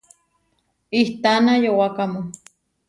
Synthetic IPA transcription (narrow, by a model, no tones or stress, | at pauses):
iht̪anajowakamo